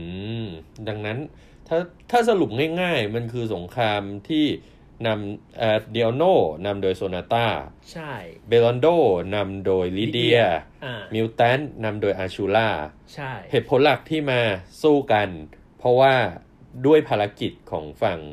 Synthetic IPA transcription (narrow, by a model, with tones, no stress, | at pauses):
ɯ˧˥da˧ŋna˦˥n | t̪ʰaː˥˩t̪ʰaː˥˩s̬a˧lu˨˩p̚ŋaː˥˩jŋaː˥˩jma˧nkʰɯː˧so˩˦ŋkʰaː˧mt̪ʰiː˥˩ | na˧mʔaː˧˩di˧ʔɔ˧noː˥˩na˧mdoː˧jsoː˧naː˧t̪aː˥˩ | t͡ɕʰa˥˩be˧lɔ˧ndoː˥˩na˧mdoː˧jli˦˥di˧ɐmi˧˥wt̪ɛː˦˥nːa˧mdoː˧jʔaː˧t͡ɕʰu˧laː˥˩t͡ɕʰa˥˩he˨˩t̪pʰo˩˦nla˨˩k̚t̪ʰiː˥˩maː˧suː˥˩ka˧n | pʰɔ˦˥waː˥˩ | du˥˩əjpʰaː˧la˧ki˨˩t̪̚kʰɔ̰ː˩˦ŋfa˨˩ŋ